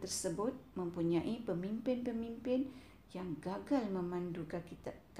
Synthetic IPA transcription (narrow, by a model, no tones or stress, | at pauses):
t̪ərsəbʊt̪̚mə̃mpuɲãʔipəmimpɪnpəmimpɪn | jaŋɡaɡalmə̃mãndukakit̪ak